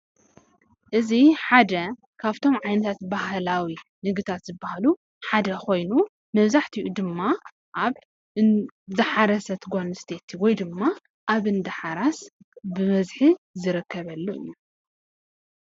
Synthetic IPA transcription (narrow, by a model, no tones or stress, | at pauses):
ʔɨziħad̪ɐ | kʰaβt̪ʰo̞mʕajnɐt̪ʰat̪bahlawinɨɡɨt̪ʰat̪zɨbːahalu | ħad̪ɐkʰo̞jnu | mɐβzaħt̪ʰijʔud̪ɨmːa | ʔaβ | zɨħaɾɐsɐt̪ʰɡonst̪ʰet̪ʰiwɔjd̪ɨmːa | ʔaβɨnd̪ɐħaɾas | bɨβɐzħizɨɾɨkʰːɐβɐlːuʔu